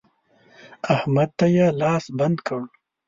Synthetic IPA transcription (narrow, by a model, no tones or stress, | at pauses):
ahmad̪̚t̪ajalɑːsband̪kəɽ